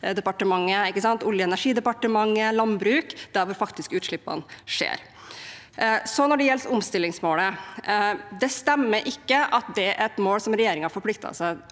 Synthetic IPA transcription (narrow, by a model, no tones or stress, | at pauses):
d̪ɛpɑʈəmɑŋːəɪkːəsɑnt̪ʊljəɛnæʂiːd̪əpɑʈəmɑŋːəlɑnbɾʉːkd̪̥æɾʋʊɾfɑkt̪ɪskʉːt̪ʂɭɪpːɑ̰nʂḛːɾ | sɔnɔɖɛjɛlt̪ʊmst̪ɪlːɪŋsmoːlə | d̪ɛst̪ɛmːəɾʔɪkːəʔɑt̪̚d̪ɛʔæɾɛt̪moːlsɔmɾɛjeːɾɪŋhɑɾfɔɾplɪk̚t̪ɑ̰sæɪ